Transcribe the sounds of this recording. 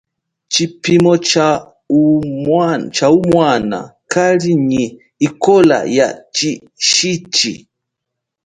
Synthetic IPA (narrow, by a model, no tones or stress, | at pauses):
t͡ʃipimɔt͡ʃa | uat͡ʃaumwana̰kaliɲi | ikɔla̰ja̰t͡ʃi | ʃit͡ʃḭ